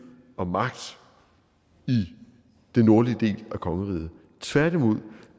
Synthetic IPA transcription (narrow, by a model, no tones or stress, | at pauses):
ɒ̽mɑ̈ɡ̥̚d̥ | i | d̥enːo̝ɐliəd̥e̝̰ːlækʰɒ̽ŋəʁḭːð̩ˠ | t͡sʰʋæɐ̰dimo̝ð̞̰ˠ